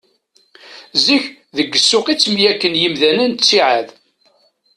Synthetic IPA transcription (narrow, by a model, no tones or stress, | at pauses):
ziç | ðəɡːəsːʊqit͡sːmjækːənjimðænənt͡sːiʕað